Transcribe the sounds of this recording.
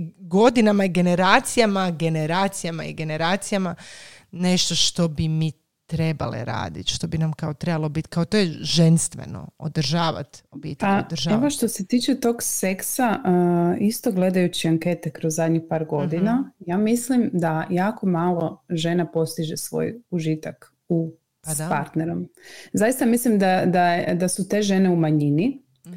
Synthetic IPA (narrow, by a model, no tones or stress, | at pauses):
ɡo̞d̪inamaiɡe̞ne̞ɾaːt̪sijamaɡe̞neɾaːt̪sijamaḭɡe̞ne̞ɾaːt̪sijamane̞ʃt̪o̞ʃt̪o̞bimi | t̪ɾe̞ba̰lḛɾa̰ːd̪ḭt̪ʃt̪o̞binamkao̞t̪ɾe̞balˠobit̪kaot̪ojeʒe̞nst̪ʋḛno̰o̰d̪r̩ʒaːʋa̰t̪obḭːt̪eaod̪rʒaeoʃt̪oset̪iːt͡ʃet̪oɡseksaʔist̪o̞ɡle̞d̪ajut͡ɕiaŋke̞ːt̪ekɾo̞zzad̪ɲixpaːɾɡo̞d̪inajaːmislimd̪ajaːko̞maːlˠo̞ʒe̞napo̞st̪iʒesʋo̰juʒit̪ak | u | spaɾt̪neɾo̞mzajist̪amislimd̪ad̪ajed̪asut̪e̞ːʒe̞ne̞umaɲini